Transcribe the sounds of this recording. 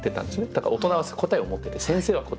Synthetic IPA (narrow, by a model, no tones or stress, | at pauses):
t̪ːe̞t̪ã̰nd̪esɨjoned̪aka̰ɾaot̪o̞naβasko̞t̪aiomo̞t̪ːe̞t̪esẽɰ̃se̞ːβako